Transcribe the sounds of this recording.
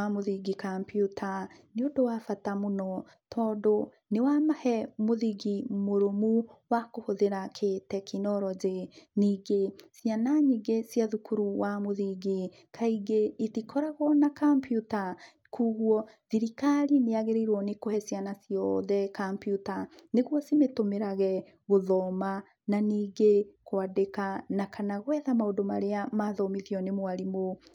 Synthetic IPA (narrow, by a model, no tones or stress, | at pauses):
amoðiɡikampjutʰaniodowafatamunɔ | tʰɔdo | newamahɛmoðiɡimoɾomuwakohoðeɾakʰetɛkʰinɔɾɔd͡ʒeniɡesjanaɲiɡesjaðukuɾuwamoðiɡi | kʰaiɡeitikʰɔɾaɣwɔnakampjuta | kʰuɣwɔðiɾikaɾineaɣeɾeiɾwɔnekohɛsianasijɔðɛkampjutaneɣwɔsimetomeɾaɣɛ | ɣoðɔma | naniːɡekwadekanakanaɣwɛðamaodoma̰ɾeamaðɔmiðjɔnemowaɾimo